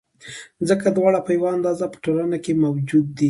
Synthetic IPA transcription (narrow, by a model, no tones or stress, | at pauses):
zəkad̪wɑɽapəjawaand̪ɑzapə̥ʈolənakemawd͡ʒud̪̚ːi